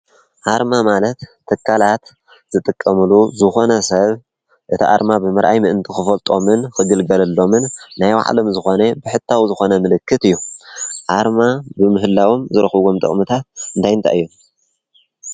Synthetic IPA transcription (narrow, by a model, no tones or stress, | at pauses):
ʔaɾmamalɐt̪ʰːɨkʰːalat̪ | z̥ɨt̪ʼɨkʼːɐmɨluzɨxo̞nɐsɐβ | ʔɨt̪ʰiʔa̰ɾmabɨmɨɾʔa̰jmɨʔɨnt̪ʰixɨfɐlt̪ʼo̞mɨnkɨɡɨlɡɐlɐlːo̞mɨnːajwa̰ʕ̰lo̞mzɨxo̞nebɨħɨt̪ʰːawzɨxo̞nɐmɨlɨkʰːɨt̪ɨjːuʔaɾmabɨmɨɦɨlːawomzɨɾxɡomt̪ʼɐ̰χʼmɨt̪ʰat̪̚ɨnt̪ʰajɨnt̪ʰa̰ɨjːu